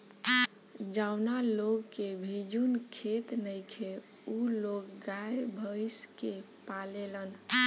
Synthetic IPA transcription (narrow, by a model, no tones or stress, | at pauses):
d͡ʒawnaloɡkebʱid͡ʒunkʰet̪nəjkʰe | ulokɡajbʱəjske | palelən